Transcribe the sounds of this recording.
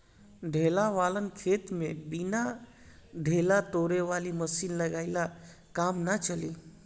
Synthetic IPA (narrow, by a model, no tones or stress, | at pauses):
ɖʱelaʋalənkʰet̪mebina | ɖʱelat̪oɾeʋaliməsinləɡaɪla | kamnat͡ʃəli